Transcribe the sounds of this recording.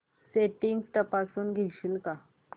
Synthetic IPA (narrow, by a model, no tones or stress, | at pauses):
seʈiŋɡt̪əpasuːnɡʱiɕilka